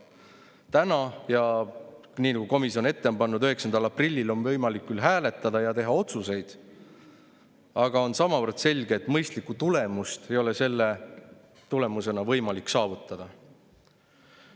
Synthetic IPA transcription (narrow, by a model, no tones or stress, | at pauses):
t̪ænɑjɑ | niːnɑɡ̥uko̞misio̞ne̞t̪ːe̞ompɑnːud̪øɦe̞ksɑnd̪ɑlɑprilʲːilo̞nvɤjmɑlikːylɦæːle̞t̪ːˑɑd̪̥ɑjɑt̪e̞ɦɑo̞t̪suse̞jd̪̥ | ɑɡ̥ɑo̞nsɑmɑvərd̪̥se̞lʲɡ̥eːt̪ːˑmɤjst̪likːut̪ule̞must̪e̞jo̞le̞se̞lːe | t̪ule̞muse̞nɑvɤjmɑlikːˑsɑːvut̪ˑːɑd̪̥ɑ